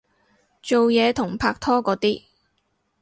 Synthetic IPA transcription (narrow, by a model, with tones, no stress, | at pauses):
t͡so˨wjɛː˨˧t̪ʰʊ˨˩ŋpʰaː˧k̚t̪ʰɔː˥kɔː˨˥t̪iː˥